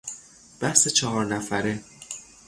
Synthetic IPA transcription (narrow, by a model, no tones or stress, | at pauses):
b̥æhse̞t͡ʃʰɒɦɒːɾnæfæɾe